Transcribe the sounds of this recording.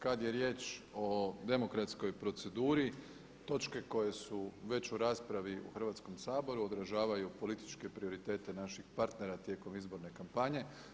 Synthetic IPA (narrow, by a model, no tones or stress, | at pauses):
kad̪je̞ɾje̞ːt͡ʃo̞d̪e̞mo̞kɾat̪sko̞jpɾo̞t̪se̞d̪uːɾi | t̪o̞t͡ʃke̞ko̞je̞suʋe̞t͡ɕuɾaːspɾaʋiṵxrʋat̪sko̞msaːbo̞ɾuod̪ɾaʒaːʋajupo̞lit̪i̥t͡ʃke̞pɾio̞ɾit̪e̞ːt̪e̞naʃixpaɾt̪ne̞ɾat̪je̞ko̞mizbo̞ɾne̞kampaɲe̞